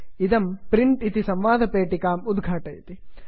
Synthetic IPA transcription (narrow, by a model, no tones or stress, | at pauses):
id̪ɐmpɾiɳʈit̪isɐmʋaːd̪ʱɐpeːʈikaːmud̪ɡʱaːʈɐjt̪i